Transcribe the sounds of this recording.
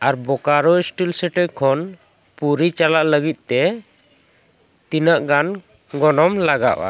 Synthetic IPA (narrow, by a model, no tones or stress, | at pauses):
aɾbɔkaɾɔisʈilsɛʈɛʔkʰɔn | puɾit͡ʃalaʔləɡit̪̚ˀt̪ɛ | t̪inəʔɡan | ɡɔnɔmlaɡaʔa̰